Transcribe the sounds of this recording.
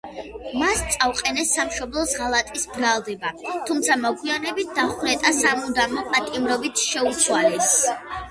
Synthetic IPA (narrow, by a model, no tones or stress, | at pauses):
mast̪sʼawqʼɛnɛsːamʃɔblˠɔsʁalˠat̪ʼisbɾalˠd̪ɛbat̪ʰumt̪sʰamɔɡʰwianɛbit̪̚ʰd̪aχnɛt̪ʼasamud̪amɔpʼat̪ʼimɾɔbit̪ʰʃɛut̪sʰwalɛs